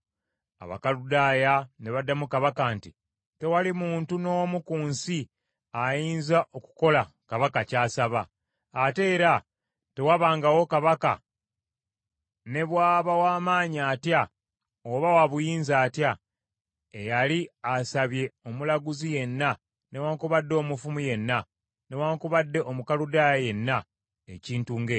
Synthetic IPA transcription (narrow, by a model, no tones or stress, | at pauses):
a̰βa̰kaludaːjane̞βadːamukaβakanti | te̞walimuːntuno̞ːmukuːnsi | ajiːnzaʔo̞ku̥ko̞la | kaβakacaːsaβaː | te̞ːɾa | te̞waβaːŋɡawo̞kaβaka̰ | ne̞βwaːβawaːmaːɲiaːtja | oβawaβujiːnzaːtja | ejaliasaβje̞o̞mulaɡuzije̞nːa | ne̞waːŋkuβadːo̞ːmufumuje̞nːa | ne̞waːŋkuβadːe̞ʔo̞mukaludaːjaje̞nːa | eciːntuŋɡe